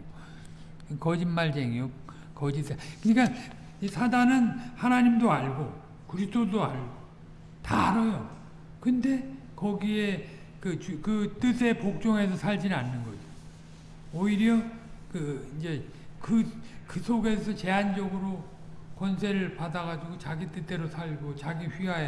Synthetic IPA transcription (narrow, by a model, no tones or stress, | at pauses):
kʌd͡ʑimːaɭd͡ʑeŋijo | kʌd͡ʑisʰakɯɲik͈an | isʰadanɯnhanaɲimdoaɭɡo | kɯɾistodoa̰ɭɡo | taɾojo | kɯnde̞ | kʌɡie̞ | kɯt͡ɕkɯt͈ɯsʰe̞pok̚t͡ɕ͈oŋɦe̞sʰʌsʰaʎd͡ʑinanːɯnɡʌd͡ʑi | oiɾjʌkɯind͡ʑe̞ | kɯkɯsʰoɡe̞sʰʌt͡ɕe̞ɦand͡ʑʌɡɯɾo | kwʌnsʰe̞ɾɯɭpadaɣad͡ʑuɡot͡ɕaɡit͈ɯt͈e̞ɾosʰaɭɡot͡ɕaɡiɸɥiɦa